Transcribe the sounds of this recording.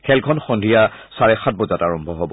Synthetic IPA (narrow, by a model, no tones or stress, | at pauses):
kʰɛlkʰɔnxɔndʱija | saɹɛxat̚bɔzataɹɔmbʱɔɦɔbɔ